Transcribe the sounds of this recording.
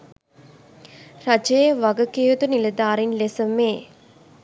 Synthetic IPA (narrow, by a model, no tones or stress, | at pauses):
rɐd͡ʒejʋɐɡɐkejot̪unilɐd̪aːɾinlesɐmeː